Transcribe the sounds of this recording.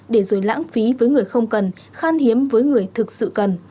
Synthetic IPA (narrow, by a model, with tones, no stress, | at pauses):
ɗe˧˩zo˧˩jla̰ː˧˥ŋfi˨˦vəː˨˦jŋɨ˨˩əjxə˧wŋ͡mkə˨˩n | xaː˧nhi˨˦əmvəː˨˦jŋɨ˨˩əjt̪ʰɨ˨˩k̚sɨ̰˧˨kə˨˩n